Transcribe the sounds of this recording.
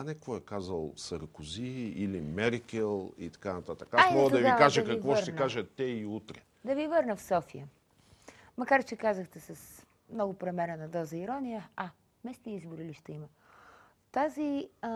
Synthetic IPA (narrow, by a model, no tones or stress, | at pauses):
anɛkɔɛkazəlˠsɐɾkʊziilimɛɾkʲɛlˠḭt̪ɐ̥kanɐt̪at̪əkaasɛmmɔɡəd̪ɐviakaʒɛkɐikvɔʃtt̪ɛkaʒət̪ːɛiut̪ɾɛ | d̪ɐvivɤɾnəfsɔfijə | mɐkaɾt͡ʃɛkazəxt̪ɛsɐs | mnɔɡʊpɾɛmɛɾənɐd̪ɔzəiɾɔnijəɐ | mɛsnʲiizbʊɾiliʃt̪ɛimə | t̪azi